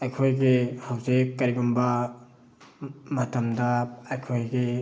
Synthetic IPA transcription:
ajkʰɔjɡihawzikːaɾiɡɔmba | matʰɐmdaajkʰojɡi

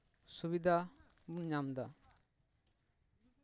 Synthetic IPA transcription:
subid̪ʱa | bunɲamd̪a

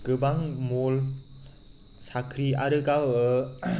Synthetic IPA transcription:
kɯbaŋmol | sakʰɾiʔaɾɯɡaw

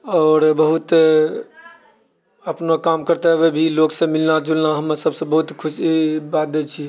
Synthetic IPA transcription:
ɔːɾbəɦut̪ | əpnokamkəɾt̪eɦbebʱiloksə̃milnad͡ʒulnaɦəmsəbsə̃bəɦut̪kʰusibat̪̚d̪elt͡ʃʰi

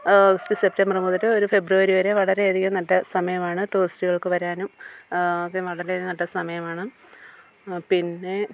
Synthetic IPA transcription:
ɡɐstise̞p̚tɐmbɐrɨmuːðɐɾɨoɾufe̞bruʋɐɾiʋɐɾeʋɐɭɐɾeeːðikʲːɐnɐʈːɐsɐmɐjɐmaːɳɨʈuːristiɣɐɭkɨʋɐɾaːnum | ʋɐɭɐɾeðikːɐnɐʈːɐsɐmɐjɐmaːɳɨ | pinːe̞

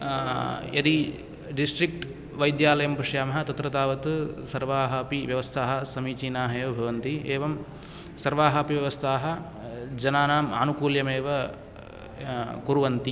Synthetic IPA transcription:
jɐd̪i | ɖisʈɾik̚ʈ | ʋɐjd̪jaːlɐjɐmpɾɐʂjaːmɐɦɐt̪ɐt̪ɾɐt̪aːʋɐt̪ɨsɐɾʋaːɦaːpiʋjɐʋɐst̪ʰaːɦɐ̆sɐmiːt͡ʃiːnaːɦɐjoːbʱɐʋɐnt̪ieːʋɐm | sɐɾʋaːɦaːpiʋjɐʋɐst̪ʰaːɦɐ̆ | d͡ʒɐnaːnaːma̰ːnukuːljɐmeːʋɐ | kuɾuʋɐnt̪i

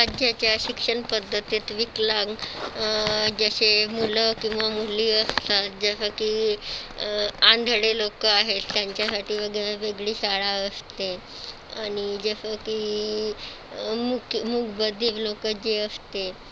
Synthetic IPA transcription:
ɾad͡ʑjat͡ɕjaɕikʂəɳpəd̪ʱːət̪it̪ʋiklaɡ | d͡zəɕemuləkĩwʋamuliːəst̪at̪d͡zəsəki | ãnd̪ʱɽelokəaɦet̪jaɲt͡ɕjasaʈiːʋəɡeaʋeɡɭiːsaɭaəst̪e | aɽ̃id͡zəsəkiː | mukmuɡbəd̪ʱiːʋlokəd͡ʑeəst̪e

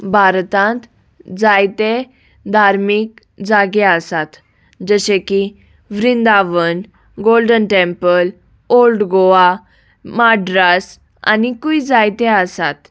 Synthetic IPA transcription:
bʱaɾt̪ãnt̪ | d͡zajt̪e | d̪ʱaɾmik̚ | d͡zaɡeəsat̪ | d͡zəɕeki | ʋɾind̪aʋən | ɡolɖənʈẽmpəl | olɖɡoʋa | maɖɾas | a̰nikuid͡zajt̪eəsat̪

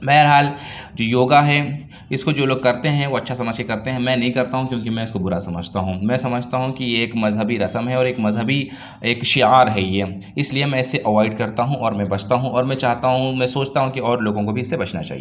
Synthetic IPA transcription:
bɛːɦɾɦaːld͡ʒoːjoːɡaɦɛ | ɪskod͡ʒoːloːɡ̚kɐɾt̪eɦɛ̃ʋoɐtːʃʰasɐməʃikɐɾt̪ẽɦɛ̃mɛ̃ːnɐɦĩkɐɾt̪aɦũkjõːkimɛ̃ɪskobʊɾasɐməd͡ʒʱt̪aɦũmɛ̃ːsɐməd͡ʒʱt̪aɦũkijeːkmɐzɦəbiɾɐsəmɦɛɔːɾeːkmɐzɦəbi | eːkʃɪaːɾɦɛjeɪsliemɛ̃ɪsːeʔɐʋaːɪɖkɐɾt̪aɦũʔɔːɾmɛ̃bɐt͡ʃʰt̪aɦũɔːɾmɛ̃t͡ʃaːɦt̪aɦũmɛ̃soːt͡ʃʰt̪aɦũkiɔːɾloːɡõkobʱiɪsːebɐt͡ʃʰnat͡ʃa̰ːɦḭeː

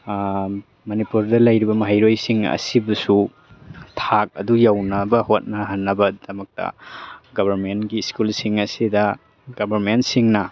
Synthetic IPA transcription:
mɐnipuɾdɐlɐjɾibɐmɐɦajɾojsiŋɐ̰sibusu | tʰak̚ɐ̰dujawnɐbɐhot̚nɐɦɐnːɐbɐdɐmɐk̚tɐ̰ɡɐbʱɐɾmentɡiskulsiŋɐsidɐ | ɡɐbʱɐɾmentsiŋnɐ

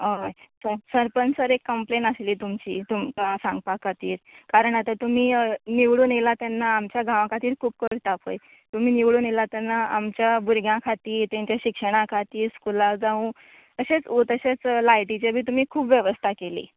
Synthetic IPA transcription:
ɦojsəɾsəɾpənsəɾekːəmplenəsliːt̪umt͡ɕḭːt̪umkasãŋɡ̚pakʰat̪iːɾkaɾəɳat̪at̪um̤iːniʋɽuːnelat̪janːaːmt͡ɕjaɡʱãʋãkʰat̪iːɾkʰuːp̚kəɾt̪ʰapʰo̰j | t̪um̤iːniʋɽuːnelat̪janːaamt͡ɕjabuɾɡʱjãkʰat̪iːɾt̪ãɲt͡ɕjaɕikʂəɽ̃akʰat̪iːɾskulad͡zaũ | əɕet͡sot̪əɕet͡slajʈit͡ɕebʱiːt̪um̤iːkʰuːpʋjeʋəst̪ʰakelḭː

